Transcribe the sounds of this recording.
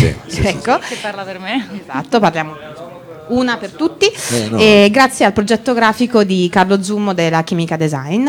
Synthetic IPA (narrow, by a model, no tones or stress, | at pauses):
ɛkːoepːarlapermeezat̪ːoparljaːmo | uːnapert̪ut̪ːieɡɾat̪sːjealpɾod͡ʒɛt̪ːoɡɾaːfikod̪ikarlod̪zumːod̪elːak̟iːmikad̪ezajn